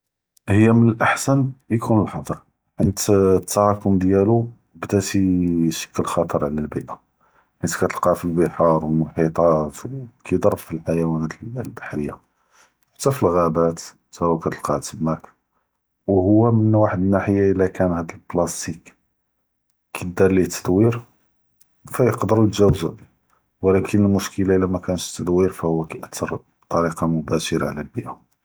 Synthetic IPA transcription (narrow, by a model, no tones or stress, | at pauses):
həjːæmənəlʔaħsænjkunəlħɑd̪ˤəɾ | ʕənt̪t̪ʰːɑɾɑkʊmd̪jælu | bd̪æt̪iʃə̥kːəlxɑt̪ˤəɾˤʕlælbiʔa | ʕənt̪kæt̪əlqɑfilbəħɑɾˤwlməlħit̪ˤɑfkʰid̪ˤɑrˤːbfilħajæwænæt̪lbaħɾəjːḁ | t̪ːæfilɣæbæt̪ | sæwækæt̪əlqɑʕt̪əbmæk | whʊwːæmənwaħəd̪nːaħəjːaʔəlækʰænhæd̪əlblɑst̪ik | kid̪ɑɾˤlit̪ʰːə̥d̪wiɾ | fæjəqd̪əɾujət̪ʒæwzu | wlækʰənəlmʊʃkəlaʔəlːæmækænəʃt̪ːəd̪wiɾfæhʊwːækæʔət̪ʰːɑɾ | t̪ˤɑɾiqɑmʊbæʃəɾɑ̰ʕlælbəʔa